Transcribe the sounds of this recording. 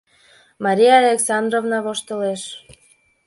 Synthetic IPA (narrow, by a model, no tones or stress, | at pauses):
mɑɾʲijɑːlʲeksɑnd̪rovnɑβoʃt̪əleʃ